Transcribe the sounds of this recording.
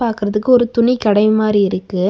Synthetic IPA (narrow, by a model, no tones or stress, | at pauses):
aːɾkɯɾɐðɯkːɯɔɾɯt̪ʊɳikɐɽɐɪmaːɾiɪɾɯkːɯ